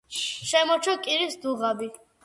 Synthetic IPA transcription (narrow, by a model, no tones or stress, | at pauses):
ʃɛmɔt͡ʃʰɔkʼiɾisd̪uʁabi